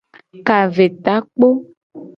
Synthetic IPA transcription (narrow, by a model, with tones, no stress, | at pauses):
ka˨ve˨t̪a˨˦k͡po˦